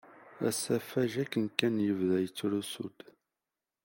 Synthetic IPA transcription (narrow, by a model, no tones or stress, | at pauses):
æ̰sæfæʒækːənkːænjəvðæjət͡sːɾusṵd̪̥